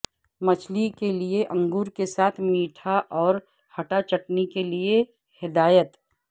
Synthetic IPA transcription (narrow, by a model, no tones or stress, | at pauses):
mɐt͡ʃʰlikelieʔɐ̃ŋɡuːɾkesaːt̪ʰmiːʈʰaʔɔːɾ | hɐʈat͡ʃɐʈnikelie | hɪd̪aːjət̪